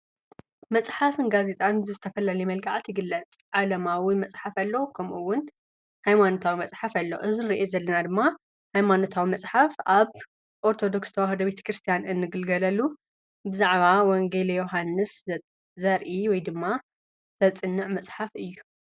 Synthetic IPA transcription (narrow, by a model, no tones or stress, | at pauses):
mɐt͡sʼħafɨnɡaze̞t̪ʼanbɨzɨt̪ʰɐfɐlalɐjmɐlɡaʕt̪jɪɡɨlːɐt͡sʼʕalɐmawimɐt͡sʼħafɐlːo̞kʰɐmʔuwːʊn | hajmanot̪ʰawimɐt͡sʼħafɐlːo̰ʔɨzɨnɾiʔezɐlːɐnad̪ɨmːa | hajmanot̪ʰawimɐt͡sʼħafʔaβ | ʔo̞ɾt̪ʰo̞d̪o̞kst̪ʰɐwaɦɐd̪obe̞t̪ʰɐ̥kɾɨst̪ʰijanɨnːɨɡɨlɡɐlɐlːu | bɨzaʕβawɔŋɡelejoɦanːɨs | zɐɾʔiwɔjd̪ɨmːa | z̥ɐt͡sʼɨnːɨʕmɐt͡sʼħafɨjːu